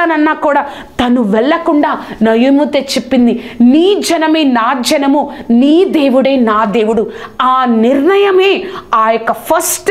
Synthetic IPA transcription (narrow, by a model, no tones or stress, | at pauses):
ɐnɐnːaːkuːɽaː | t̪ɐnuʋɛɭːɐkuɳɖaːnɐjumut̪eːt͡ʃepːind̪iniːd͡ʒɐnɐmeːnaːd͡ʒɐnɐmuniːd̪e̞ːʋuɽeːnaːd̪e̞ːwuɽuaːniɾɳɐjɐmeːaːjɔkːɐpʰɐɾsʈ